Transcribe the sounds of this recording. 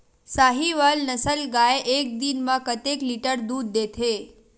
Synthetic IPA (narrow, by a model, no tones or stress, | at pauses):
saɦiʋalnəsəlɡaeʔek̚d̪inmãkət̪ekliʈəɾd̪ud̪ːet̪ʰe